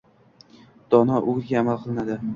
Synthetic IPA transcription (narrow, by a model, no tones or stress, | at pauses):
d̪̥ɒnɒʔʊɡɾɡʲaːmalˠqʰɨlˠɪnad̪ɪ